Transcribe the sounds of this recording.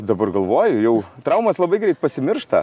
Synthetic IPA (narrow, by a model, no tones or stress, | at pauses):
d̪ɐbɐrɡɐlˠʋoːjʊjɛʊt̪ɾɐʊmɐslˠɐbɐɪɡɾʲɛɪt̪̚pɐsʲɪmʲɪrʃt̪ɐ